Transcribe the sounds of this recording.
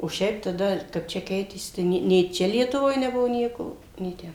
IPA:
oː ˈʃʲɛɪp tɐˈdɐ kɐp ˈt͡ʃʲɛ ˈkʲɛɪtʲeːsʲɪ tɐɪ ˈnʲeː nʲeː ˈt͡ʃʲɛ lʲiɛtʊˈʋoːj nʲɛˈbʊʋoː ˈnʲiɛkoː nʲeː ˈtʲɛn

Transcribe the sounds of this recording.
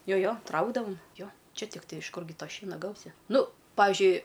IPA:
ˈjoː ˈjoː ˈtrɐʊɡdɐʋoːm ˈjoː ˈt͡ʃʲɛ tʲɪkˈtɐɪ ɪʃ ˈkʊrʲɡʲɪ ˈtoː ˈʃʲiɛnɐ ˈɡɐʊsʲɪ ˈnʊ ˈpɑːʋʲɪʒʲʊɪ

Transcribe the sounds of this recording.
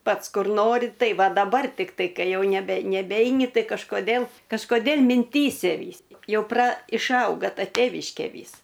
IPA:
ˈpɐts ˈkʊr ˈnoːrʲɪ ˈtɐɪ ˈʋɐ dɐˈbɐr tʲɪkˈtɐɪ ˈkɐɪ ˈjɛʊ nʲɛˈbʲɛ nʲɛˈbʲɛɪnʲɪ ˈtɐɪ kɐʃkoːˈdʲeːlˠ kɐʃkoːˈdʲeːlˠ mʲɪnʲˈtʲiːsʲɛ ˈʋʲiːs ˈjɛʊ prɐ ɪʃˈɐʊɡɐ ˈtɐ ˈtʲeːʋʲɪʃʲkʲeː ˈʋʲiːs

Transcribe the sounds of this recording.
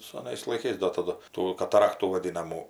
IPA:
sɐˈnɐɪs lˠɐɪˈkɐɪs doː tɐˈdʊ ˈtuː kɐtɐˈrɑːktuː ʋɐˈdʲɪnɐmuː

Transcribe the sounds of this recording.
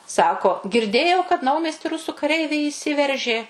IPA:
ˈsɑːkoː ɡʲɪrʲˈdʲeːjɛʊ kɐt ˈnɐʊmʲiɛsʲtʲɪ ˈrʊsuː kɐˈrʲɛɪʋʲɛɪ iːˈsʲɪʋʲɛrʲʒʲeː

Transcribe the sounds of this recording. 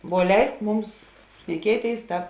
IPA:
ʋuɔ ˈlʲɛɪsk ˈmʊms ʃʲnʲɛˈkʲiɛˌtʲeːɪs ˈtɑːp

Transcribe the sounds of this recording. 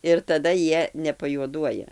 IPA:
ɪr tɐˈdɐ ˈjiɛ nʲɛpɐjuɔˈduɔjɛ

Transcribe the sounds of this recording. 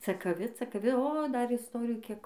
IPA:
t͡sɐkɐˈʋʲɪ t͡sɐkɐˈʋʲɪ oː ˈdɐr ɪsˈtoːrʲɪjuː ˈkʲiɛk

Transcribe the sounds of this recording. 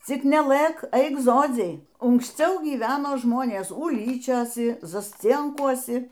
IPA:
ˈt͡sʲɪk nʲɛˈlˠɘ k ˈɐɪk ˈzoːd͡zʲɛɪ ʊŋksʲˈt͡sʲɛʊ ɡʲiːˈʋʲæːnoː ʒmoːnʲeːs ʊˈlʲiːt͡ʃʲoːsʲɪ zɐsʲˈt͡sʲiɛŋkuɔsʲɪ

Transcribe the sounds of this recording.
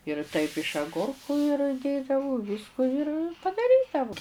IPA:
ɪr tɐɪp ɪʃ ɐˈɡʊrkʊ ɪr ˈdʲeːdɐʋʊ ˈʋʲiːskʊ ɪr pɐdɐˈrʲiːdɐʋʊ

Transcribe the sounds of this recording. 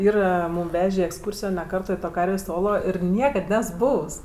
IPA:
ˈiːrɐ ˈmuːm ˈʋʲæːʒʲeː iː ɛksˈkuːrʲsʲɪjoː nʲɛ ˈkɐrtoː ɪ ˈtoː ˈkɐrʲʋʲeːsʲ ˈoːlˠoː ɪr ˈnʲiɛkɐt ˈnʲɛs ˈbuːws

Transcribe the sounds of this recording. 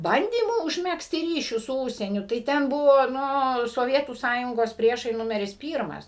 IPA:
ˈbɐnʲdʲiːmuː ʊʒʲˈmʲæːksʲtʲɪ ˈrʲiːʃʲʊs sʊ ˈuːʃʲsʲiɛnʲʊ tɐɪ ˈtʲɛn ˈbʊʋoː ˈnʊ soːˈʋʲiɛtuː ˈsɑːjʊŋɡoːs ˈpʲrʲiɛʃɐɪ ˈnʊmʲɛrʲɪs ˈpʲiːrmɐs

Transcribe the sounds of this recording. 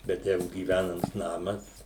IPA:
bʲɛt ˈjɛɪɡʊ ɡʲiːˈʋʲænɐms ˈnɑːmɐs

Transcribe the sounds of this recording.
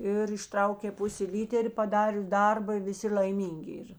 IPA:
ɪr ɪʃˈtrɐʊkʲeː ˈpʊsʲeː ˈlʲiːtʲɛrʲ pɐˈdɑːrʲʊs ˈdɐrbɐ ɪ ʋʲɪˈsʲɪ lʲɐɪˈmʲiːŋʲɡʲɪ ˈiːr

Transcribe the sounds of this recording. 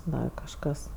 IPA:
ˈdɐr kɐʃˈkɐs

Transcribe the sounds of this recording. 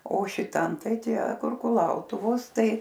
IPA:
oː ʃʲɪˈtɐm ˈtɐɪ ˈtʲiɛ kʊr kʊˈlˠɐʊtʊʋoːs ˈtɐɪ

